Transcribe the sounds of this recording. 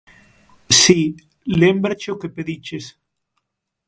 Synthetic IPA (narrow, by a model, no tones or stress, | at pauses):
si | lembɾat͡ʃeokepeðit͡ʃes